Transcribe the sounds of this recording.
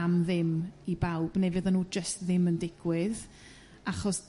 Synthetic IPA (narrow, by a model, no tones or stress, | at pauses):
amðɪmibawb̥nevɨðanuːd͡ʒəstðɪməndɪɡ̥wɪð | aχɔs